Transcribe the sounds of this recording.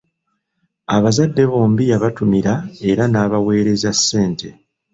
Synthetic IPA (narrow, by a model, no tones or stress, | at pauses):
aβazadːe̞βo̞ːmbijaβatumiɾae̞ɾanaːβawe̞ːɾe̞zasːe̞ːnte̞